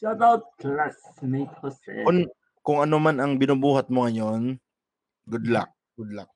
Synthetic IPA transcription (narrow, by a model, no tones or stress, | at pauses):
abawt̪̚klasmet̪hoskʊn | kʊŋɐnomanɐŋbɪnubuːɦɐt̪̚moŋɐjon | ɡʊd̪la̰k̚ | ɡʊd̪lak̚